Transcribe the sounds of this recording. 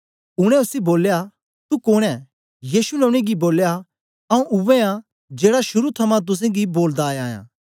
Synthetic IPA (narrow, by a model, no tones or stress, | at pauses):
ʊɽ̃ɛ̃ʊsiboːlja | t̪ukoːɽ̃ɛ | jiːsulɛʊɽ̃eɡiboːlja | ɐũʔʊʋeã | d͡ʒeːɽaʃʊɾut̪ʰɐmãt̪̬ʊs̬ẽɡiboːld̪aːjaːjã̰ː